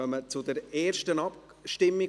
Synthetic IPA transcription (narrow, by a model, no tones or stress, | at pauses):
œmət͡sʊdəɾeːɾʃtənɑp | ʃtɪmːiɡ